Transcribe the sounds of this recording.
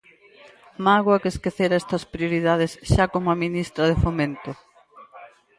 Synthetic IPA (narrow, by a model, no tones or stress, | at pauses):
maɣwɐkeskeθeɾaɛst̪ɐspɾioɾiðað̞esʃakomʊaminist̪ɾɐðefomẽnt̪ʊ